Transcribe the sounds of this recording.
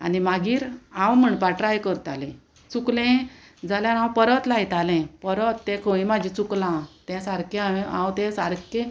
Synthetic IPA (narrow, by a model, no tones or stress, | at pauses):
a̰nimaɡiːɾãwm̤əɳpaʈɾajkəɾt̪alɛ̰̃ | t͡suklɛ̃ | d͡zaljaɾãwpəɾət̪lajt̪alɛ̃pəɾət̪ːɛ̃kʰəĩmad͡ʑʱĩt͡suklãt̪ɛ̃saɾkẽaʋẽã̰wt̪ɛ̃saɾkẽ